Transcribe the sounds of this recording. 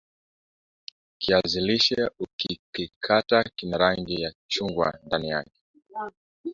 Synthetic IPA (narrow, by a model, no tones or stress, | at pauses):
kʰiaziliʃɛukikikʰatakinaɾaŋɡijat͡ʃuŋɡwa̰ndanijakɛ̥